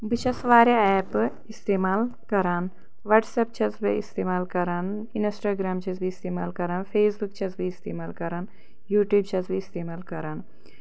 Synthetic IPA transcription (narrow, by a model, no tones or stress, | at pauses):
bɨt͡ʃʰɐsʋaːɾeɛːp | ist̪eːmaːlkɐɾaːn | ʋɐʈsɐp̚t͡ʃʰɐt͡sbḭḭst̪eːmaːlkɐɾan | insʈaːɡɾaːmt͡ʃʰɐt͡sbiist̪eːmaːlkɐɾaːnpʰeːsbuk̚t͡ʃʰɐt͡sbiist̪eːmaːlkɐɾaːn | juːʈjuːb̚t͡ʃʰɐt͡sbiist̪eːmaːlkɐɾaːn